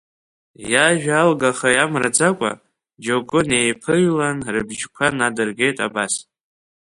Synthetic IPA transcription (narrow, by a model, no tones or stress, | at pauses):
jaʒᶣalɡaχajamra̰d͡zakʷʼa̰ | d͡ʒoɡʷʊne̞jpʰɨjlanrɨbʒkʷʰanadɨrɡe̞jtʼa̰bas